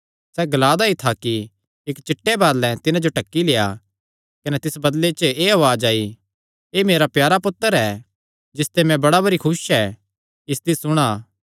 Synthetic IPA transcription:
sɛɡɐlaːd̪ait̪ʰaki | ɪkt͡ʃɪʈːebaːd̪lɛ̃t̪ɪnãd͡ʒoʈɐkːileːja̰ | kɐnɛt̪ɪsbɐd̪let͡ʃəeɐʋaːd͡ʒaːi | emeːɾapjaːɾapʊt̪ːəɾɛː | d͡ʒɪst̪emɛ̃bɐɽabɐɾikʰʊsɛː | ɪst̪isʊɽ̃aː

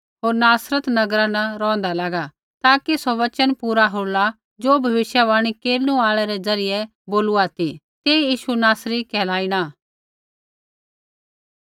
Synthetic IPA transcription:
ɦoːɾnaːsɾət̪nɐɡɾãnɐɾɔ̃ːnd̪alaːɡa | t̪aːkisɔʋɐt͡ʃənpuːɾaɦoːla | d͡ʒoːbʱɐʋɪʃjaʋaːɽ̃ikeːlnũaːɭɛɾɛzɐɾɪjɛ | boːluaːt̪i | t̪eːjiːʃunaːsɾikɛːlaːiɽ̃aː

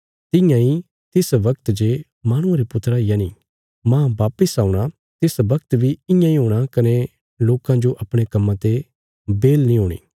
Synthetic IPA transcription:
t̪ɪ̃jãi | t̪ɪsʋɐkt̪d͡ʒe | maːɽ̃ʊ̃ãɾepʊt̪ɾajaniː | mãːbaːpəsaːũɽ̃a | t̪ɪsʋɐk̚t̪bʱiɪ̃jãːĩɦoːɽ̃akɐne | loːkãd͡ʒoʔɐpɽ̃ekɐmːãt̪e | beːlnĩɦoːɽ̃ḭː

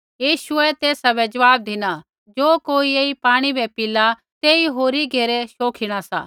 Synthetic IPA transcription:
jiːʃʊɛt̪eːsabɛd͡ʒɐʋaːb̚d̪ʱɪna | d͡ʒoːkoːieːipaːɽ̃ibɛpɪla | t̪eːiɦoːɾiɡʱeːɾɛʃoːkʰiɽ̃asa̰ː

